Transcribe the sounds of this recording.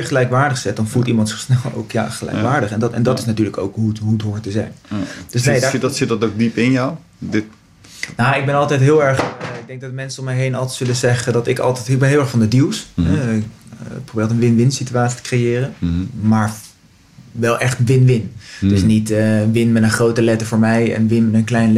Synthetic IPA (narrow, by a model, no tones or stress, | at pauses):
ɪɹχəlɛjkʋaːɹdəχsɛt̚dɑnfulˠtimɑntsɪsnɛlˠo̰wkja̰ːχəlɛ̰jkʋaːɹdəχɛndtɛ̰ndɑtɪ̥snatyːɹləko̰wkɦutɦuətɦʊːɹtəzɛjnd̥øsjdsɪt̚dɔtowk̚dipɪnjaw | dɪt | naɪɡ̚bɛnɑlˠtɛjtɦɪːlˠɛɹχɪɡ̚dɛŋk̚dɑtmɛnsəɔmɛjɦejnɑlˠtɛsɵləzɛχədɑtɪkɑ̰lˠtɛtɪɡ̚bɛnɦɪːlˠɛɹχfɑndədilˠsɦɛɪkprowbɪːɹtənʋɪnʋɪnsityaːtsi̥tə̥krejɪːrənmaːɹ | ʋɛlˠʔɛχtʋɪnʋɪndd̥əsnitəʋɪnmɛtənχrowtəlɛtəvʊːɹmɛjɛ̰nʋɪnmɛtənklɛjnl